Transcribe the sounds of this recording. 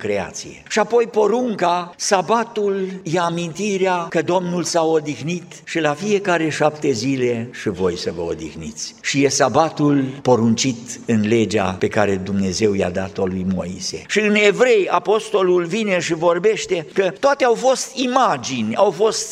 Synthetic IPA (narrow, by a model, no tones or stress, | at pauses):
kɾe̞a̰t̪sijḛʃiapo̞jpo̞ɾuŋkasabat̪uljeamint̪iɾeakəd̪o̞mnulsaod̪ixnit̪ʃilafije̞kaɾe̞ʃapt̪e̞zile̞ʃivo̞jsəvəo̰d̪ḭxnḭt̪sʲʃije̞sabat̪ulpo̞ɾunt͡ʃit̪ɨnle̞d͡ʒa̰pe̞kaɾe̞d̪umne̞ze̞wja̰d̪at̪olujmo̞̰ḭsḛʃiɨnevɾe̞japo̞st̪o̞lulvine̞ʃivo̞rbe̞ʃt̪e̞kət̪oat̪eawfo̞st̪imad͡ʒinʲawfo̞st̪